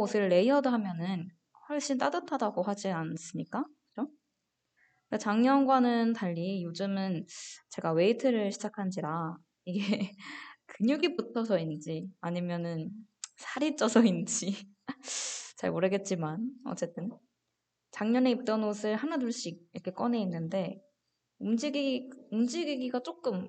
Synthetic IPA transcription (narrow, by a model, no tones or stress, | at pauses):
osʰɯɾɯɭːe̞iʌdoɦamjʌnɯn | hʌɭɕ͈int͈adatʰadaɡoɦad͡ʑians͈ɯmɲik͈akɯd͡ʑo | at͡ɕaŋɲʌnɡwanɯntaʎːijod͡ʑɯmɯnt͡ɕe̞ɡawe̞itʰɯɾɯɭɕʰid͡ʑakʰand͡ʑiɾa | iɡe | kɯɲuɡiputʰʌs̬ʰʌind͡ʑiaɲimjʌnɯn | sʰaɾit͡ɕ͈ʌsʰʌind͡ʑi | t͡ɕa̰ɭmoɾɯɡe̞t̚t͡ɕ͈imanʌ̰t͡ɕ͈e̞t͈ɯn | t͡ɕaŋɲʌne̞ip̚t͈ʌnosʰɯɭhanaduɭɕ͈ik̚iɾʌkʰe̞k͈ʌne̞inːɯnde̞ | umd͡ʑiɡiɡumd͡ʑiɡiɡiɡat͡ɕ͈ok͈ɯm